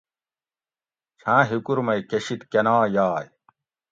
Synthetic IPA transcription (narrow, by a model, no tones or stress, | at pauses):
t͡ɕʰãːɦikuɾmɐjkeɕit̪kɐnaːjaːj